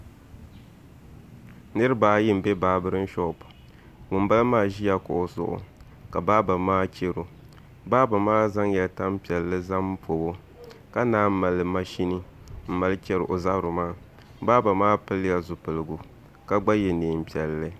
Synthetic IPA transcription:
nɨ˦ɾɨ˦baː˨˦ji˦m̩˨be˦baː˨bɨ˦ɾɨ˦n˦ʃɔ˦˨p | ŋʊ˨nba˦lmaː˦˨ʒi˦ja˨kʊ̰˨ʔo˨sʊ̰˦ʔʊ̰˨ | ka˨baː˦ba˨maː˦t͡ʃe˦ɾo˨ | baː˦ba˨maː˦za˦ŋjɛ˨lta˦m˦pi˨ɛ˨lːɨ˦za˦m˦pʰo˨bo˦ | ka˦naː˦m̩˦ma˨lːɨ˨ma˦ʃi˦nɨ˦ | m̩˦ma˨lɨ˦t͡ʃɛ˦ɾɨ˨ʔo˨za˦bɾʊ˨maː˦˨ | baː˦ba˨maː˦pɨ˦lɨ˦ja˨zʊ˨pɨ˨lɨ˨ɡu˨ | ka˦ɡ͡ba˦jɛ˨neː˨m̩˨pi˨ɛ˨lːɨ˦

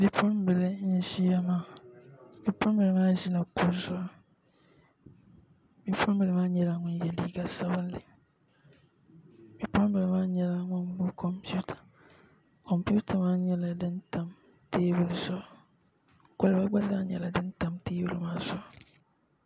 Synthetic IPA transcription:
mi˨pʰɔ̃˦nbɪ˨le˦n̩˦ʒi˦a˦mã˨ | mĩ˨pʰɔ̃˦m˦bɪ˨le˨mã˦ʒi˦nã˨kʰʊ˨zɔ˦ | mi˨pʰɔ̃˦mbɪ˨lmã˦ɲɛ˦la˦ŋʷʊ̃˦n˦jɛ˨li˦ɡa˨sa˦ba˦lɪ˨ | mi˨pʰɔ̃˦n˦bɪ˨le˦mã˦ɲɛ˦la˦ŋʊ̃˦m˦bu˦kʰɔ˨mpʰu˦tʰḁ˨ | kʰɔ̃˨mpu˦tʰa˨mã˦ɲɛ˦la˨dɪ̃˦n̩˦tʰã˨m | tʰeː˦bu˨lzɔ˦ | kɔ˦˨lbɛ˦ɡ͡ba˦da˦ɲɛ̰˨la˨dɪ̃˦n̩˦tʰã˨mtʰeː˦bu˨lmãː˨˦zɔ˦˨

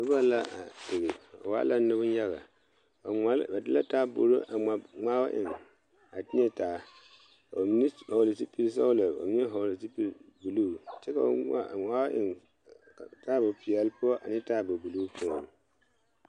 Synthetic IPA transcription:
dʊ˦ba˦la˦a̰˨dɪ˨ɣɪ˨a̰˨wa̰ː˦la˦nʊ˦bʊ˦n˦ja˦ɣa̰˨ | a˨a˦ba˨dɪ˦la˦taː˦bo̰˨ɾo˦ʔa˨a˨ŋ͡maː˦ba˦ʔɪ˨ŋ | a˨ti˦ɛ˦taː˨˦ | ka˨bo˨mi˦n˦hɔ˨lɪ˨si˦pi˦ɾs̬a˦la˨ba̰˨mi˦ɲɛ˦ɦɔ˨lɪ˨si˦pi˦˨bu˨lu˦˨t͡ʃɛ˦ka˨ba̰˦ŋa̰˦˨ŋ͡maː˦wa˦ʔɪ˨ŋ | a˨taː˦ba˨pi˨ɛ˨lpʊ˦ɔ˦ʔa˨nɪ˦ta˦˨bo˨bu˨lu˦pʊ˦ɔ˨n˨

